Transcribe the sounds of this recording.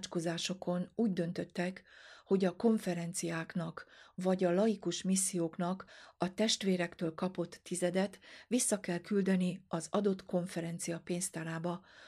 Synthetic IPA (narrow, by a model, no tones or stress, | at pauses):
t͡ʃko̞zaːʃo̞kʰo̞nuːɟd̪ø̞nt̪ø̞t̪ːɛkho̞ɟɒko̞ɱfɛɾɛnt̪sijaːknɒkvɒɟɒlɒjikuʃmisːijoːknɒkɒt̪ɛʃt̪ʋeːɾɛkt̪øːlkɒpo̞t̪ːizɛd̪ɛt̪ʋisːɒkɛlkyld̪ɛniɒzɒd̪o̞t̪ko̞ɱfɛɾɛnt̪sijɒpeːnst̪aːɾaːbɒ